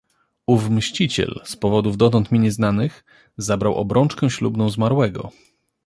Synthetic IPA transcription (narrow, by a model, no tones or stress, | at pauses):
uvmɕt͡ɕit͡ɕɛ̰lspɔvɔd̪uvd̪ɔt̪ɔnt̪mʲiɲɛznanɘx | zabɾawʔɔ̰bɾɔnt͡ʂkɛ̃ɕlubnɔ̃w̃zmaɾwɛɡɔ̰